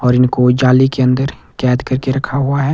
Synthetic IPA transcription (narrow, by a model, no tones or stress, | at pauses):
ɔːɾɪnkod͡ʒaːlikeɐ̃nd̪əɾ | kɛːd̪kɐɾkeɾɐkʰaɦuaɦɛː